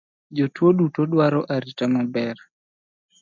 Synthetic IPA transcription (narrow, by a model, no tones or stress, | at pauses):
d͡ʒotwoɗutoɗwaɾɔʔaɾitamabɛr